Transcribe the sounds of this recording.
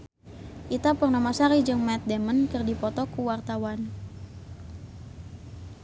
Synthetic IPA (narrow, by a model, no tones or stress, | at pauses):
ʔit̪apərnamasaɾid͡ʒɨŋmɛt̪̚dɛmənkɨrdipɔt̪ɔkuwart̪awan